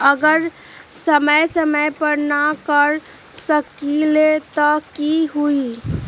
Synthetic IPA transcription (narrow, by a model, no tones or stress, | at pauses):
əɡəɾ | səməjsəməjpəɾnakəɾ | səkilet̪ɔkiɦui